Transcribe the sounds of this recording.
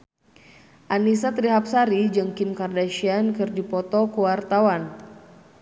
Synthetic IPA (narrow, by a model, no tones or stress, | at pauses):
ʔanisat̪ɾiɦap̚saɾid͡ʒɨŋkimkardaʃiankɨrdipɔt̪ɔkuwart̪awan